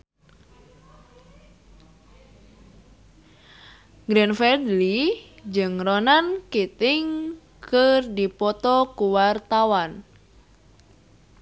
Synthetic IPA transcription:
ɡɾɛnfɛdlid͡ʒɨŋronankit̪ɪŋ | kərdipɔt̪ɔkuwart̪awan

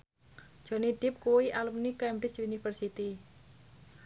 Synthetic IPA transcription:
d̥ʒ̥ɔ̤niɖ̪̥ɪ̤p̚kuwiʔalumnikɛmbɾɪsunifərsit̪i

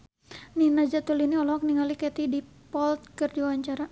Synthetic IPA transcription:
ninad͡ʒat̪uliniɔlɔak̚niŋalikɛt̪idipɔlt̪̚kərd͡ʒiawaɲt͡ʃaɾa

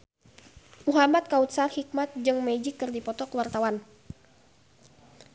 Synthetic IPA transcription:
ʔuɦamat̪̚kaut̪̚sarhik̚mat̪̚d͡ʒɨŋmɛd͡ʒikːɨrdipɔt̪ɔkəwart̪awan

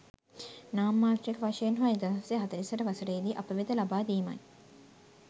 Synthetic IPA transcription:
naːmːaːt̪ɾijekəʋaʃɐjenɦuaed̪aɦɐsejeɦat̪əɾisəʈəʋasəʈəid̪iːʔapəʋid̪əlabaːd̪iːma̰j

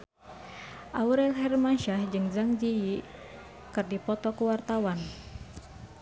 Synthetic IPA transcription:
ʔauɾɛlɦɛrmanʃahd͡ʒɨŋd͡ʒaŋd͡ʒiji | kɨrdipɔt̪ɔkuwart̪awan

